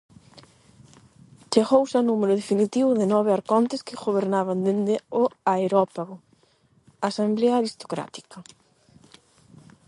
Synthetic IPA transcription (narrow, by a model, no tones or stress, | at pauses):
t͡ʃeɣowsanumeɾʊðefinit̪iβʊðɪnɔβɪaɾkɔnt̪ɪskɪɣoβeɾnaβ̞and̪end̪ɪʊaeɾɔpaɣʊ | asambleaaɾist̪o̥kɾa̰t̪i̥kɐ